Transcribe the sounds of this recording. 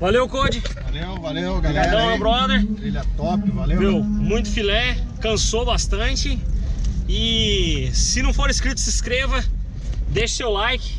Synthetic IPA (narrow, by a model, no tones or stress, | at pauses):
valewkod͡ʒɪvalewvalewaad̪ɐ̃ɐbɾɔd̪eɾt̪ɾiʎɐt̪ɔpɪvalemewmũj̃t̪ʊ̥filɛkɐ̃sobast̪ɐ̃t͡ʃɪ | ɪ | sɪnɐ̃w̃foɾiskɾit̪ʊsɪskɾevɐ | d̪ejʃʊ̥sewlajkɪ̥